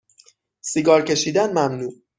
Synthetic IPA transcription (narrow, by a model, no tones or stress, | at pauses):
siɡɒːɾcʰe̞ʃiːd̪ænmæmnuː